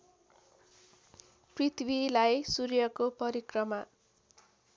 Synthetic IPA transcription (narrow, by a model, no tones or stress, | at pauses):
prit̪ʰbilajsurjʌkopʌɾikrʌma